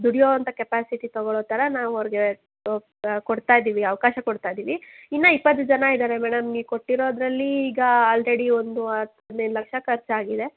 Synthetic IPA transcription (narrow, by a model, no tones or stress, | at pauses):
d̪uɽijoːʋɐnt̪ɐkepaːsiʈit̪oɡɔɭoːt̪ɐɾɐnaːʋuɐʋɾiɡe | koɽt̪aːjid̪iːʋiɐʋɐkaːʃɐkoɽt̪aːjd̪iːʋiinːɐipːɐt̪̬ːud͡ʒɐnɐid̪aːɾemɛːɽɐmniːkoʈːiɾo̞ːd̪ɾɐlːiːɡɐaːlɾe̞ɽio̞nd̪uɐt̪ːɐd̪nejd̪ulɐkʂɐkʰɐɾt͡ʃaːɡid̪e̞